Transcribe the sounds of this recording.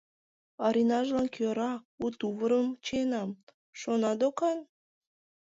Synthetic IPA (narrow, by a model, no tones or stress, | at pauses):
ɑɾʲinɑʒlɑnkʲøɾɑkut̪uβəɾəmt͡ɕenɑm | ʃonɑd̪okɑn